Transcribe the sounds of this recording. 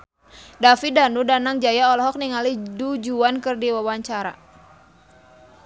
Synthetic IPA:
dafidanudanaŋd͡ʒajaɔlɔɦɔk̚niŋalidud͡ʒuankɨrdiwawaɲt͡ʃaɾa̰

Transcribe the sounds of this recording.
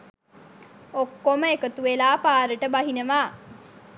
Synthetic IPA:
okːoməekət̪uʋelaːpaːɾəʈəbaɦinəʋaː

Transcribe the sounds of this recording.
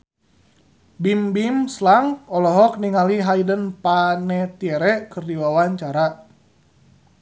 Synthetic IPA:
bimbimslaŋɔlɔɦɔk̚niŋaliɦajdənpanɛt̪iɛɾɛkɨrdiwawaɲt͡ʃaɾa

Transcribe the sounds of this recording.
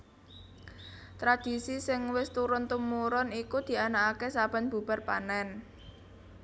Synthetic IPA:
t̪ɾad̪̥i̤sisɪŋwɪst̪uɾʊnt̪umuɾʊnikud̪̥i̤anakakesab̥a̤nb̥ṳb̥a̤rpa̰nɛn

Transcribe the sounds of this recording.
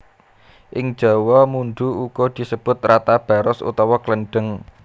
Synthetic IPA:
ʔɪŋ̥d͡ʒ̥ɔ̤wɔmunɖ̪uuɡ̥od̪̥i̤səb̥ʊ̤t̪̚rat̪ab̥a̤ɾʊsṵt̪ɔwɔkləɳɖ̥əŋ

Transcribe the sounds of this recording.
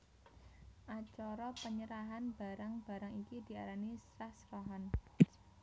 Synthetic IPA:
ʔat͡ʃɔɾɔpəɲəɾaɦanb̥a̤ɾaŋb̥a̤ɾaŋikid̪̥i̤aɾanisɾahsɾɔɦan

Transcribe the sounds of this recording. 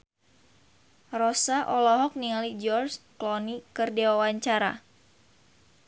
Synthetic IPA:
rɔsaʔɔlɔɦɔk̚nialid͡ʒɔrsklɔnikɨrdewawaɲt͡ʃaɾa̰

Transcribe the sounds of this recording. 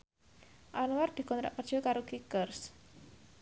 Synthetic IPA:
ʔanward̪̥i̤kɔnt̪ɾa̰ʔpərd̥ʒ̥ɔ̤kaɾokikərs

